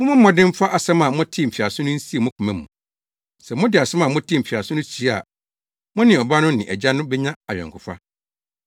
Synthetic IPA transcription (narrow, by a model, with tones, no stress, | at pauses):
mʊ̃˦mʊ̃˦m̩˦mɔ̃˨dɪ̃˦m˦fa˦ʔa˨sɛ˦mã˨mʊ̃˦tʰɪ˦˨m̩˨fi˨a˨sʊ̃˦nʊ̃˦n̩˦si˦e˨mʊ̃˦kʰʊ˨mæ̃˨mũ˨ | sɛ˨mʊ̃˦dɪ˨a˨sɛ˦mã˨mʊ̃˦tʰi˦m̩˨fi˨a˨sʊ˦nʊ̃˦t͡ɕʰi˨˦˨a̰˨ | mʊ̃˦nɪ̃˨ɔ˨ba˦nʊ̃˦nɪ̰̃˨ʔɛ̰˨d͡ʑa˦nʊ̃˦bɛ˦ɲã˦a˨ɥᶣɛ̰˨ŋkʰʊ˨fa̰˦